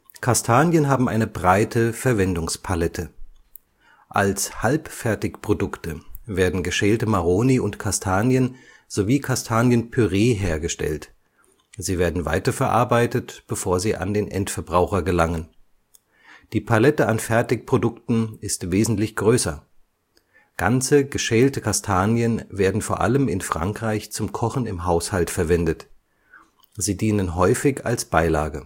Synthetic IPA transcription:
kʰastʰaːnjənɦaːbm̩ʔa̰ɪnəbʁaɪtʰəfɛɐvɛndʊŋspʰalɛtʰə | ʔalshalpfɛɐtɪçpʁ̥odʊktəveːɐdn̩ɡəʃɛːltəmaʁoːniʊntkʰastʰaːnjən | z̥oviːkʰastʰaːnjənpʰyʁeːɦeːɐɡəʃtɛ̰lt | ziːveːɐdn̩va̰ɪtɐfɛɐʔa̰ɐbaɪtətb̥əfoːɐziːʔa̰ndeːnʔɛ̰ntfɛɐbʁaʊxɐɡəlaŋən | d̥iːpʰalɛtəanfɛɐtɪkpʁ̥odʊktn̩ɪstv̥eːzn̩tlɪçɡ̥ʁøːsɐ | ɡ̥ant͡səɡəʃɛːltəkʰastʰaːnjənveːɐdn̩foːɐʔa̰ləmɪnfʁ̥a̰ŋkʁ̥aɪçt͡sʊmkʰɔχn̩ɪmɦaʊshaltfɛɐvɛndət | ziːdiːnənɦɔʏfɪça̰lsb̥aɪla̰ːɡə

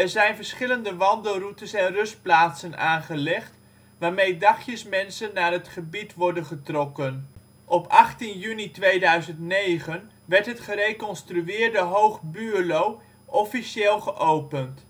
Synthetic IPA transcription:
ɛɹzɛjnvəɹsχɪləndəʋɑndəlˠrutəsɛnrɵst̚plaːtsənaːnχəlɛχt | ʋaːɹmejdɑχjəsmɛnsənːaːrɦətχəbitʋɔɹdənχətrɔkən | ʔɔpɑχtinjynitʋejdœɥzəntnejχən | ʋɛɹtɦətχəɾejkɔnstryɪːɹdəɦowχbyːlow | ʔɔfiʃeːlˠχəʔowpənt

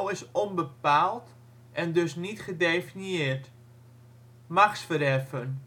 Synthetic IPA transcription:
lˠɪsɔnbəpaːlˠt | ʔɛndøsnitχədeːfinjɪːrt | maxsfəɾɛrfən

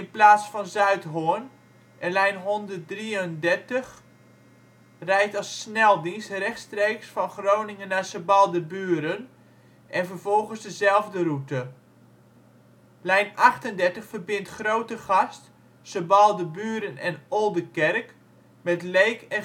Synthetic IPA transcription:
ɪnplaːtsfɔnzœɥtɦoən | ʔɛnlɛjnɦɔndərt̚driəndɛrtəx | rɛjtɑsːnɛlˠdinstrɛxtstreːksfɔnχrownɪŋənːasəbɑlˠdəbyːəɾən | ʔɛnvərvɔlˠɣənsdəzɛlˠvdərutə | lɛjnaχtəndɛrtəχfərbɪntχrowtəχɑst | səbɑlˠdəbyːəɾənɛnolˠdəkɛrk | mɛtlejkɛ

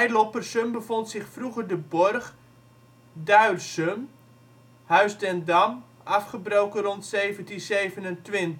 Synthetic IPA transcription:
ɛjlopərsømbəfontsɪχfruɣərdəbɔrχ | dœɥrsøm | hœɥsdɛndam | ʔafχəbrowkənrontseːvəntinseːvənəntʋɪnt

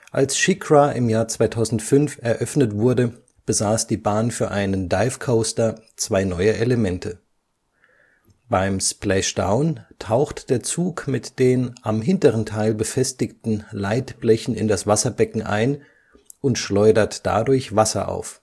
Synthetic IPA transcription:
ʔa̰lsʃɪkʁaʔɪmjaːɐt͡sv̥aɪtʰaʊzn̩tfʏnfɛɐʔœfnətv̥ʊɐdə | b̥əzaːsd̥iːbaːnfyːɐʔaɪnəndaɪfkʰoʊstɐt͡sv̥aɪnɔʏəʔeləmɛntʰə | b̥aɪmsplɛʃd̥a̰ʊntʰaʊxtd̥eːɐt͡suːkmɪtd̥eːnʔamɦɪntəʁəntʰaɪlbəfɛstɪktn̩laɪtb̥lɛçn̩ɪ̰ndasv̥asɐbɛkŋ̩ʔa̰ɪn | ʊntʃlɔʏdɐtd̥a̰dʊɐçv̥asɐ̰ʔa̰ʊf

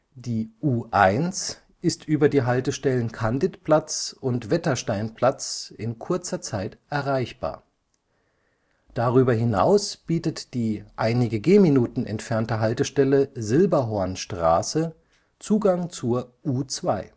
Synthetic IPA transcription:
d̥iːʔuːʔaɪns | ʔɪstʔyːbɐdiːɦaltəʃtɛlənkʰandɪtpl̥at͡sʊntv̥ɛtɐʃtaɪnpl̥at͡sɪnkʰʊɐt͡sɐt͡saɪtʔɛɐʁaɪçb̥a̰ːɐ | d̥aʁyːbɐɦɪna̰ʊsb̥iːtətd̥iːʔaɪnɪɡəɡeːminuːtn̩ɛ̰ntfɛɐntəɦaltəʃtɛləzɪlbɐɦoɐnʃtʁ̥a̰ːsə | t͡suːɡaŋt͡suːɐʔuːt͡sv̥aɪ

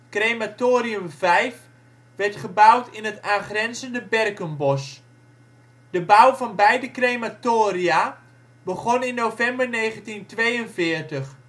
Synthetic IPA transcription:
krejmatoːɾiəmvɛjf | ʋɛrtχəbawtɪnətaːnχrɛnzəndəbɛrkənbɔs | d̥əbawvɔnbɛjdəkrejmatoːria | bəɣɔnɪnːowvɛmbərneːχəntintʋejənvɪːrtəχ

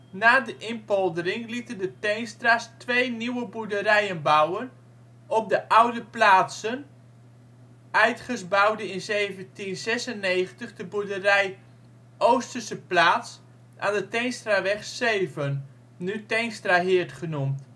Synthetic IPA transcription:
naːdəʔɪnpɔlˠdərɪŋlitəndətejnstrastʋejniwəbudərɛjənbawən | ɔp̚dəʔawdəplaːtsən | ʔœɥtχəsbawdəɪnzeːvəntinzɛsəneːχəntəχdəbudərɛj | ʔowstərsəplaːts | ʔa̰ːndətɛjnstraʋɛχseːvən | nytɛjnstraɦɪətχənumt

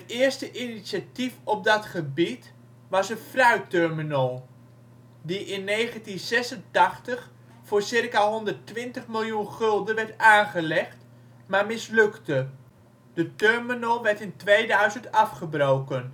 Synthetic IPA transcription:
ɦətɪərstəʔinisjatifɔp̚dɑtχəbit | ʋɑsənfrœɥtøɹminəlˠ | diʔɪnːejχəntinzɛsəntɑχtəχ | fʊːɹsɪrkaɦɔndərtʋɪntəχmɪlˠjunχɵlˠdənʋɛɹtaːnχəlɛχt | maɹmɪslɵktə | d̥ətøɹminəlˠʋɛɹtɪntʋejdœɥzəntɑfχəbrowkən

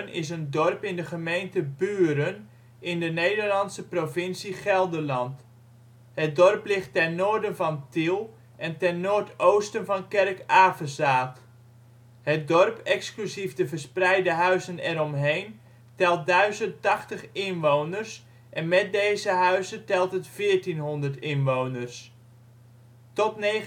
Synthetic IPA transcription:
nɪ̰s̬əndɔrpɪndəχəmejntəbyːɾən | ɪndənejdərlɑnsəprovɪnsiχɛlˠdərlɑnt | hət̚dɔrplɪχtɛnːoːɹdənvɑntilˠ | ʔɛntɛnːoːrtowstənvɑnkɛrkaːfəzaːt | hət̚dɔrpɛksklyziftəvərsprɛjdəɦœɥzənɛrɔmɦejn | tɛlˠt̚dœɥzəntɑχtəχɪnʋownərs | ʔɛnmɛt̚dejzəɦœɥzətɛlˠtətfɪːɹtinɦɔndərtɪnʋownərs | tɔtne

